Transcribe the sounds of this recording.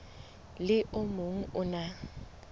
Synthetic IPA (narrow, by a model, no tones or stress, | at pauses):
lɪʔʊmʊŋ̩ʊna